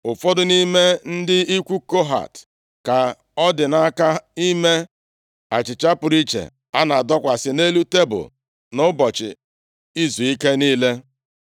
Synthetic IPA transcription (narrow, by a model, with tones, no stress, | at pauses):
ʊ˨fɔ˦dʊ˦ni˦me˦n̩˦dɪ˦i˦kʷu˦ko˦ɦa̰˨t | ka˨ | ɔ˦dɪ˨na˦ka˦i˦me˦ | a̰˨t͡ʃɪ˨t͡ʃa˦pʊ˨ɾi˦t͡ʃḛ˨ | a˦na˨dɔ˦kʷa˨sɪ˦ne˦lu˦te˦bʊ̰˨ | nʊ˦bɔ˨t͡ʃɪ̰˨ | i˦zu˨i˦ke˦niː˦le˦